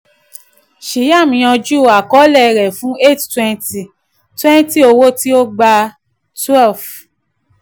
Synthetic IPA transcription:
ʃi˨˦ja˦˨mĩ˨˧j̃ɔ̃˧d͡ʒu˦˨a˨kɔ˨˦lɛ˦˨˧ɾɛ˨fũ˨˦e˦˨ttwɛ̃˧nti˨ | twɛ̃˦n˦ti˦o˧wo˦ti˦o˦ɡ͡ba˧ | twɛ˦˨lf

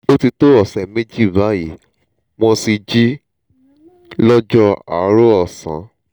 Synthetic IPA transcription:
o˦ti˧to˦ɔ˦˨sɛ̃˨me˦d͡ʒi˦˨ba˨˦ji˨˦ | mɔ̃˧si˧d͡ʒi˦ | lɔ˦d͡ʒɔ˦a̰˨˦ɾo˦ɔ˦˨sã̰˨˦

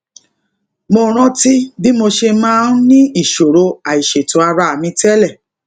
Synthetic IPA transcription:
mo˧ɾ̃ɔ̃˦ti˦bi˦mo˧ʃe˧mãː˦n˦nĩ˦i˦˨ʃo˨ɾo˧a˨i˨ʃe˨to˨˦a˧ɾa˧a˨mĩ˧tɛ˦lɛ˦˨

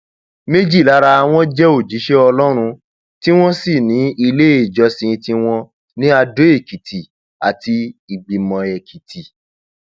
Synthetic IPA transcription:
me˦d͡ʒi˦˨la˦ɾa˧w̃ɔ̃˦d͡ʒɛ˦o˦˨d͡ʒi˨˦ʃe˦ɔ˧lɔ˦ɾ̃ũ˧ | ti˦w̃ɔ̃˦si˦˨nĩ˨˦i˧le˦e˦˨d͡ʒɔ˧sĩ˧tĩ˧w̃ɔ̃˧ | nĩ˦a˧do˦e˦˨ki˨tʰi˨ | a̰˨ti˧i˨ɡ͡bi˨mɔ̃˨ɛ˨kʰi˨tʰi˨

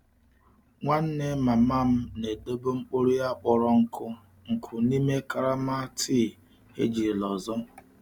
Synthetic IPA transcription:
ŋʷa˦n̩˦ne˦ma˨ma˦m̩˦ne˨do˦bo˦ŋ͡m̩˦k͡po˦ɾi˦ja˦k͡pɔ˨ɾɔ˦ŋ̩˨kʰʊ˦ | ŋ̩˨kʰʊ˨ni˦me˦ka˦ɾa˦ma˦tʰi˦˨ | ḛ˦d͡ʒi˨lɔ˨zɔ˦

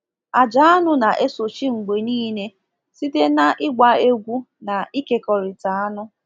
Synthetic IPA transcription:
a˨d͡ʒa˨˦a˦nʊ˦na˨ʔe˦so˨t͡ʃi˦ŋ͡m̩˨ɡ͡be˨niː˦ne˦ | si˦te˦na˦ʔɪ˦ɡʷa˨e˦ɡʷu˦ | na˨i˦ke˨kɔ˨ɾɪ˨ta˨a˦nʊ˦

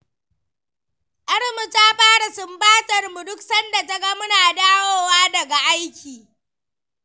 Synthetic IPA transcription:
ʔɐ˦ɽmʊ˨ta˦ɸaː˦ɽa˨sʊ˨mbaː˦tʼɐ˨rmu˨dʊ˦ksɐ˦nda˨ta˦ɡɐ˦mʊ˦naː˨daː˦woː˦waː˦dɐ˨ɡa˨ʔa˦jkʲiː˨

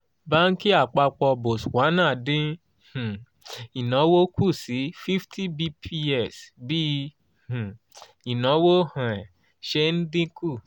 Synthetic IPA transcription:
ba˦n̩˦ki˦a˦˨k͡pa˧k͡pɔ˧bo˨swa˨˦nã˦˨dĩ˦ | h̩˨ | i˨nɔ̃˨˦wo˦kʰu˦˨si˨˦fi˦ftʰi˦bi˦pʰi˧ɛ˦˨sbi˦ | h̩˨ | i˨nɔ̃˨˦wo˦hã˨ɛ˨ | ʃe˧n̩˦dĩ˦ku˦˨

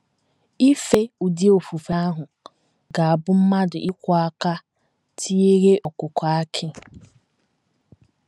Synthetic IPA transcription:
i˦fe˦u˨di˦o˨fu˨fa˦a˦ɦʊ˨ | ɡa˨a˨bʊ˦m̩˦ma˦dʊ̰˨ʔi˦kʷɔ˦a˦ka˦ | tʰi˦e˦ɣe˦ʔɔ˨kʊ˨ka˨a˦kʰɪ˦

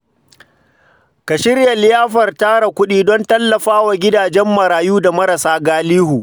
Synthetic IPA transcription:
ka˨ʃɪ˦rja˨lɪ˦jaː˦ɸɐ˨rtaː˦ɽa˨kʷʊ˦ɗiː˦dɔ˦ntɐ˦lːɐ˨ɸaː˦wa˨ɡʲɪ˦daː˨d͡ʒɛ˦mːɐ˨ɾaː˨juː˦da˨mɐ˦ɾɐ˨saː˦ɡaː˦liː˦huː˨

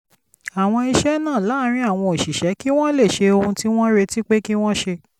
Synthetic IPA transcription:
a˨w̃ɔ̃˧i˧ʃɛ˦nãː˦˨la˨˦ɾ̃ĩ˦a˦˨w̃ɔ̃˧˨ʃi˨ʃɛ˨˦ki˦w̃ɔ̃˦le˦˨ʃe˧o˧ũ˧ti˦w̃ɔ̃˦ɾe˧ti˦k͡pe˦ki˦w̃ɔ̃˦ʃe˧

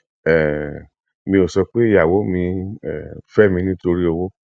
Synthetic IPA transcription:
ɛ˨ | mĩ˧o˨sɔ˧k͡pe˦i˦˨ja˨wo˨˦mĩ˧ɛ˨fɛ˦˨mĩ˧nĩ˦to˧ɾi˦o˧wo˦

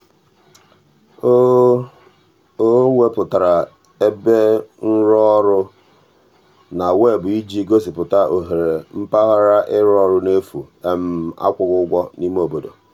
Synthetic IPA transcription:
o˦ | o˦ŋʷe˦pʊ˨ta˨ɾa˨ | e˦be˦n̩˦ɾɔ˦ɾʊ˦ | na˨we˦˨bʊ˨i˦d͡ʒi˦ɡo˦sɪ˨pʊ˨ta˦ʔo˨ɦe˨ɾe˨m̩˦pa˦ɣa˦ɾa˦ʔɪ˦ɾɔ˦ɾʊ˦ne˦fu˨ | e˦m̩˦˨a̰˦kʷʊ˨ɣʊ˦ɡʷɔ˦ni˦m˦o˨bo˦do̰˨

